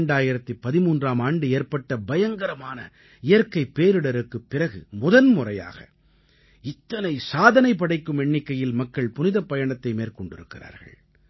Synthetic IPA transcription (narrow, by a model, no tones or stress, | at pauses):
ɳɖaːjɪɾɐt̪ːɯpɐðɪmuːndraːmaːɳɖɯeːɾpɐʈːɐbɐjɐŋɡɐɾɐmaːnɐ̰ | ɪjɐɾkɐɪpːeːɾɯɽɐɾɯkːɯpːɪrɐɣɯmʊðɐnmʊrɐja̰ːɣɐ̰ | ɪt̪ːɐnɐɪsaːðɐnɐɪpːɐɽɐɪkːɯmɛɳːɪkːɐjɪlmɐkːɐɭpʊnɪðɐpːɐjɐɳɐt̪ːɐɪmeːɾkɔɳɖɪɾɯkːɪra̰ːɾɣɐ̰ɭ